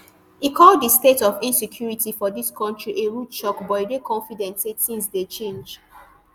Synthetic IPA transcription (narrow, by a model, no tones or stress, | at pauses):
ikʰɔlddistetɔfĩnsekʰjuɹitifɔdiskʰɔ̃ntɹiʔeɹutt͡ʃɔkbɔtidekʰɔ̃nfidɛ̃ntsetsĩnsdet͡ʃẽnd͡ʒ